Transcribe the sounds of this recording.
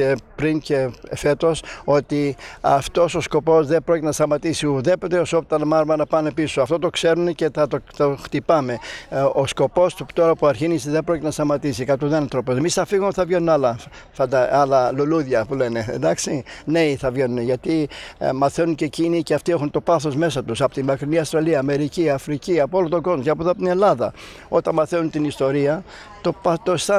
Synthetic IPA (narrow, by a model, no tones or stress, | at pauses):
epɾince̞fe̞t̪o̞so̞t̪iɐft̪o̞so̞sko̞po̞zðe̞bɾoct̪enɐst̪ɐmɐt̪isiðe̞pot̪eosopot̪ɐnmɐɾmɐnɐpɐne̞pisoɐft̪o̞t̪o̞kse̞ɾunece̞θɐt̪ot̪oxt̪ipɐme̞osko̞po̞sut̪o̞ɾɐpuɐɾçinisiðebɾocit̪enɐst̪ɐmɐt̪isikɐt̪oðenɐnt̪ɾopose̞misθɐfiɣumθɐvʝenunɐlɐ | fɐd̪ɐɐlɐluluðʝɐpule̞ne̞ḛnd̪ɐksine̞iθɐvʝe̞nuneʝɐt̪imɐθe̞nunce̞ciniceɐft̪iexunt̪o̞pɐθo̞zme̞sɐt̪usɐpot̪inmɐkɾiniɐst̪ɾɐliɐːme̞ɾiciɐfɾiciɐpoolot̪o̞ɡo̞zmocɐpoðoɐpoine̞lɐðɐ | o̞t̪ɐnmɐθe̞nunt̪inist̪o̞ɾiɐ | t̪o̞pɐt̪ost̪ɐ